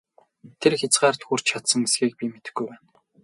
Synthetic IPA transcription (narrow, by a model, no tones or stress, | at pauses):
t̪ʰerxʲat͡sɢaːrt̪xur̥t͡ɕt͡ɕʰat̪sə̆ŋisɡiːk̚pʲimet̪ɘ̆xɡujpæːn